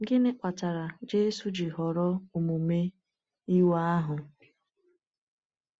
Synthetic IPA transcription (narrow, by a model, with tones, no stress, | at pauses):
ŋ̩˦ɡɪ˦nɪ˦k͡pʷa˨ta˨ɾa˨d͡ʒe˦su˨d͡ʒɪ˨ɦɔ˨ɾɔ˦o˨mu˨me˦ | i˦wa˦a˦ɦʊ˨